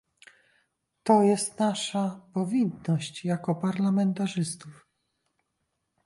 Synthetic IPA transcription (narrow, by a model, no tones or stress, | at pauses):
t̪ɔjɛst̪naʂapɔvʲinːɔɕt͡ɕjakɔpaɾlamɛnt̪aʐɘst̪uf